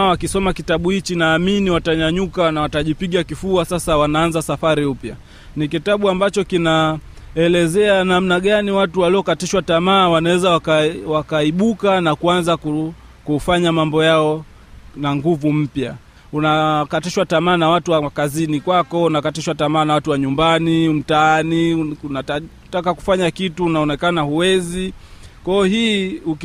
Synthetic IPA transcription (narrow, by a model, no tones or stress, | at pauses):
wakisɔmakitaɓuhit͡ʃinaːminiwataɲaɲukanawataʄipiɠakifuasasawanaːnzasafaɾiupja | nikitaɓuambat͡ʃɔkina | ɛlɛzɛanam̩naɠaniwatuwaliɔkatiʃwatamaːwanawɛzawakawakaiɓukanakuanzaku | kufaɲamambɔjaɔ | naŋɡuvum̩pja | unakatiʃwatamaːnawatuwaakazinikwakɔunakatiʃwatamaːnawatuwaɲumbanim̩taaniunata | takaku̥faɲakituːnaɔnɛkanahuwɛzikwaɔhiːuk